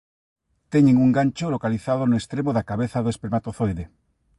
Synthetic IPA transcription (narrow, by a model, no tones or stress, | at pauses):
t̪ɛɲeŋuŋɡant͡ʃolokaliθaðonoest̪ɾemoðakaβeθaðoespeɾmat̪oθojðe